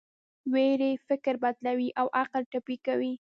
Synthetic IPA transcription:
weɾefɪkɾbad̪lawiʔawʔaqəlʈapikawi

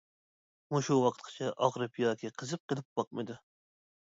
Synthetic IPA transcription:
muʃuwɑqʰt̪̚qʰə̥t͡ʃʰɛʔɑʁɾɨpjɑːkʲʰiqʰəzɨp̚qəlˠɨp̚b̥ɑq̚mɨd̪u

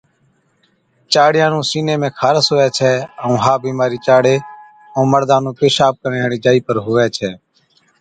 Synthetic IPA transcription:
t͡ʃaːɽɪjãːnũːsiːnẽːmẽːkʰaːɾəsoːʋɛːt͡ʃʰɛːəũːɦaːbiːmaːɾiːt͡ʃaːɽeː | ə̃ːməɾd̪aːnũːpeːʃaːp̚kəɾjãːɽiːd͡ʒaːiːpəɾɦʊʋɛːt͡ʃʰɛː

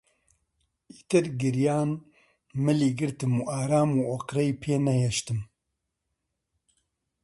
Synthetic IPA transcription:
iːt̪ɨɾɡɨɾjaːn | mɨliːɡɨɾt̪ɨmuːaːɾaːmuːoqɾɛjpʰeːnɛheʃt̪ɨm

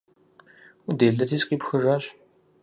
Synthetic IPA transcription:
udeːɮɐtʰiːsqiːpxɨraːɕ

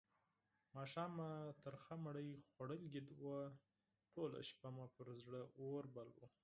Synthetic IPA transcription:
mɑʃɑmat̪əɾxamaɽəjxwaɽəlɡɪd̪wa | ʈola̰ʃpamapəɾzɽəoɾbalwṵ

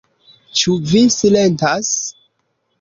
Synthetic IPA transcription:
t͡ʃuvisilentas

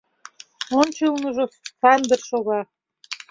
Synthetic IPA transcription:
ont͡ɕɤlnɤʒofænd̪ə̆rʃoɣɑ

